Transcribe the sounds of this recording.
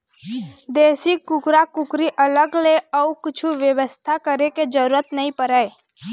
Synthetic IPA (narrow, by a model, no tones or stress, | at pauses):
d̪eːsikːʊkɾakʊkɾiʔələɡleəukɪt͡ʃʰuʋjəʋəst̪ʰakəɾeked͡ʒəɾuɾət̪nəɦĩpəɾəe